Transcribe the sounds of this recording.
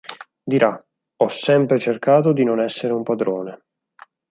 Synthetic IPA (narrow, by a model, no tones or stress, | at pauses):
d̪iɾʔa | ɔsːɛmpɾet͡ʃerkaːt̪̬od̪inonɛsːeɾeumpad̪ɾoːne